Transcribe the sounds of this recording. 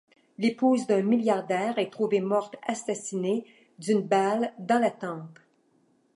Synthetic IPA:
lepuːzd̪œ̃miljaʁd̪ɛːʁɛt̪ʁuvemɔʁt̪asasine | d̪ynbald̪ɑ̃lat̪ɑ̃ːp

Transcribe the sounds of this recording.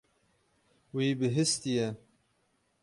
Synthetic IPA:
wiːbɨɦɨst̪ijɛ

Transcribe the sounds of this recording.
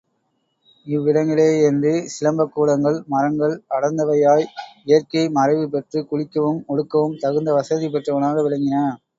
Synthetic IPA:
ɪʋːɪɽɐŋɡɐɭeːɛndrɯsɪlɐmbɐkːuːɽɐŋɡɐɭmɐɾɐŋɡɐɭɐɽɐnd̪ɐʋɐjaːjɪjɐrkɐɪmɐɾɐɪʋɯpɛʈrɯkʊɻɪkːɐʋɯmɔɽɯkːɐʋɯmt̪ɐɣɯnd̪ɐʋɐsɐðip̬ɛʈrɐʋɐnaːɣɐʋɪɻɐŋɡɪnɐ

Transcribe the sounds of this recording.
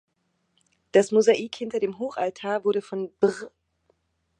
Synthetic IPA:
d̥asmuzaʔiːkhɪntɐdeːmɦoːxʔaltʰaːɐvʊɐɾəfɔnbʁ

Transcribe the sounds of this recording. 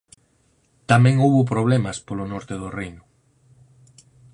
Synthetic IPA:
t̪amẽŋowβop̬ɾoβ̞lɛmɐspolonɔɾt̪eðorejnʊ

